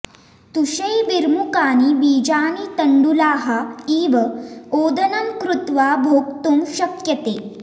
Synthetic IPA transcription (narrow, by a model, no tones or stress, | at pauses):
t̪uɕɐjʋiɾmukaːniʋiːd͡ʑaːnit̪əɳɖulaːɦaiːʋɐoːd̪ʱənɐmkɾut̪ʋaːbʱoːkt̪umɕɐkjɐt̪eː